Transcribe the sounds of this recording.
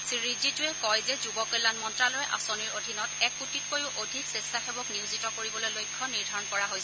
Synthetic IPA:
siɹizitʊɛkɔjzɛzubɔkɔjlːanmɔntɹalojɛʔa̰soniɹodʱinɔtɛkːutit̚kojʊʔodʱiksestaxebɔkniuzitɔkoɹibɔlojlojkʰːɔniɹdʱaɹɔnkɔɹaɦojs

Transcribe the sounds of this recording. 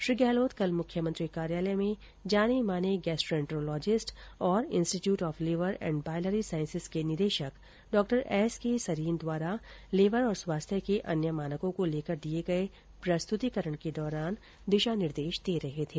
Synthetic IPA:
ʃɾiːɡɛːloːt̪kɐlmʊkʰjəmə̃ɐ̃nt̪ɾikaːɾjaːləmẽ | d͡ʒaːnemaːneɡɛːsʈɾɛ̃ɳʈɾolɔːd͡ʒɪsʈɔːɾɪ̃nsʈiʈjuːʈɔːfleːʋəɾɛ̰̃ːɳɖ̚baːɪləɾisaːɪ̃nsɪskenɪd̪eːʃək | ɖɔːk̚ʈəɾɛːskesɐɾiːnd̪waːɾaleːʋəɾɔːɾswaːst̪ʰjəkeʔɐ̰njəmaːnəkõkoleːkəɾd̪ieɡɐe | pɾɐst̪ʊt̪ikəɾəɽ̃ked̪ɔːɾaːn | d̪ɪʃanɪɾd̪eːʃd̪eːɾɐɦet̪ʰeː

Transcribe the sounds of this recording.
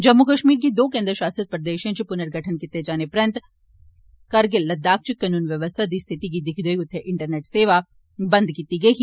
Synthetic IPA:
d͡ʒɐmːukəʃmiːɾkid̪oːkẽːnd̪ɾəʃaːsət̪̚pɾɐd̪eːʃẽt͡ʃipʊnəɾɡʱɐʈʰənkɪt̪ed͡ʒaːnepɾɐ̃nt̪ | kɐɾɡɪlːɐd̪ːaːk̚t͡ʃɪkːɐnuːnʋjɐʋəst̪ʰad̪ist̪ʰɪt̪ikid̪ɪkʰd̪oiʊt̪ʰːeʔɪɳʈəɾneːʈseːʋa | bɐ̃nd̪kiːt̪iɡɐi

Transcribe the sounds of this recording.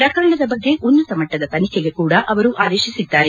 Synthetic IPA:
pɾɐkɐɾɐɳɐd̪ɐbɐɡːe̞ʔunːɐsɐmɐʈːɐd̪ɐt̪ɐnikeɡe̞kuːɽɐʔʔɐʋɐɾuʔaːd̪e̞ːʃisid̪ːaːɾe

